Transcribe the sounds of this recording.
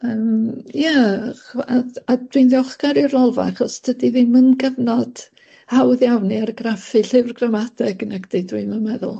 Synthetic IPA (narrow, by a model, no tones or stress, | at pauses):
əːmja | aad̥winðjɔχɡaɾɨrɔlˠva̰aχɔstʰədiðimənɡəvnɔd̥ | hawðjawniaɾɡrafɨɬɪvrɡramadɛɡnaɡd̥ejdwimənmɛðʊ̰lˠ